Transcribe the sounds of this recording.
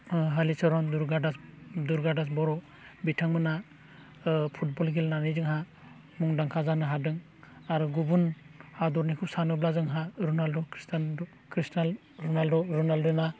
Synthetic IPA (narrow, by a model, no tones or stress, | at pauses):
ɦalisɔɾɔnduɾɡadasduɾɡadas̬bɔɾɔ | bitʰaŋmɯna | pʰut̚bɔlɡilnanizɯŋɦa | muŋdaŋkʰazanɯɦadɯŋ | aɾuɡubunhadɔɾnikʰup̚sanɯblazɯŋɦaɾunaldɔkʰɾistan | kʰɾistal | ɾɔnaldɔɾɔnaldɔna